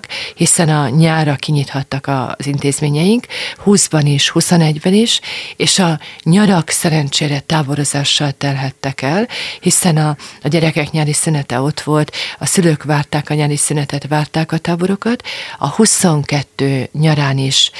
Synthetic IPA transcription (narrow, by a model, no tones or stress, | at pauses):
khisɛnɒɲaːɾɒkiɲit̪hɒt̪ːɒkɒ̰zint̪eːzmeːɲɛjiŋkhuːzbɒniʃhuso̞nɛɟbɛniʃeːʃɒɲɒɾɒksɛɾɛnt͡ʃeːɾɛt̪aːbo̞ɾo̞zaːʃːɒlt̪ɛrɦɛt̪ːɛkɛlhisɛnɒɟɛɾɛkɛkɲaːɾisynɛt̪ɛo̞t̪ʋo̞lt̪ɒsyløːkʋaːrt̪aːkɒɲaːɾisynɛt̪ɛt̪ʋaːrt̪aːkɒt̪aːbo̞ɾo̞kɒt̪ɒhuso̞ŋkɛt̪ːøːɲɒɾaːniʃ